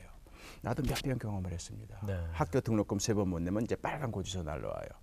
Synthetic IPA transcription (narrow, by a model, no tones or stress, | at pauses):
jo | nadomjʌp͈jʌnkjʌŋʌmɯɾhes͈ɯmɲḭdanehak͈jotɯŋnok͈ɯmsʰebʌnmːonːemɯnid͡ʑe̞p͈aɾɡankod͡ʑusʰʌna̰ɭːʌ̰wa̰jo̰